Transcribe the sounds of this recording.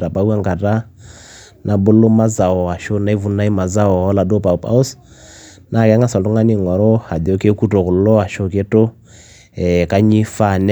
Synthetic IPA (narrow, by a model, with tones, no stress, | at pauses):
ɾa˨pa˨u˦a˦ŋɡa˨ɾa˦ | nʔa˨bʊ˦lo˦ma˦za˨ɔ˨a˨ʃo˦na˦i˦vu˦na˦i˦ma˨za˦ɔ˨ɔ˦la˨do˦pa˨o˨pa̰˦o˦s | na˨kɛ˦ŋa˦sɔ˨do˦ŋa˦ni˦˨ŋɔ˨ɾɔ˦ha˨do˦ke˦ku˦to˨kʊ˨lɔ˦a˨ʃo˦ke˦to˦ | ɛ˨ka˦ɲi˦fa˦˨nɛ˦